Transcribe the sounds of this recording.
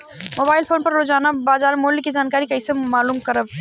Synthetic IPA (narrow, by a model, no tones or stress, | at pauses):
mobaɪlpʰonpəɾlod͡ʒanəbad͡ʒaɾmoliked͡ʒankaɾikəɪsẽmalumkəɾəb̚